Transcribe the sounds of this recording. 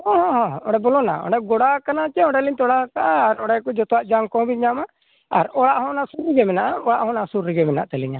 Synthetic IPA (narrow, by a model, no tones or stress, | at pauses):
hɔ̃ɦɔ̃ɦɔ̃ɔɖɛbɔlɔna̰ɔ̰ɖɛɡɔɽakanat͡ʃɛɔ̃ɖɛliɲt̪ɔɽakaʔaːɾɔɽɛkɔd͡ʒɔt̪ɔwaʔd͡ʒaŋkɔ̃biɲama | a̰ɾɔɽaʔɦɔ̃nasuɾiɡɛmɛnaʔaɔaʔɦɔ̃nasuɾːiɡɛmɛna̰ʔt̪ɛliɲa